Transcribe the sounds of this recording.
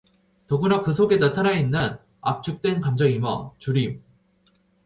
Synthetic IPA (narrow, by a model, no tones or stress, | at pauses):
toɡunakɯs̬ʰoɡe̞tatʰanainːɯn | a̰p̚t͡ɕ͈ʰuk̚t͈we̞nkamd͡ʑʌŋimʌt͡ɕuɾim